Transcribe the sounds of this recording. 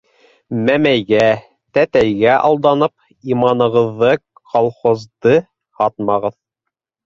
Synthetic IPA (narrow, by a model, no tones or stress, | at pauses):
mæmæjɡæ | t̪æt̪æjɡæʔɑlˠd̪ɑnɤp̚ | imɑnɤ̆ʁɤ̆ðːɤ | qʰolˠχozd̪ɤ | hɑt̪mɑʁɤð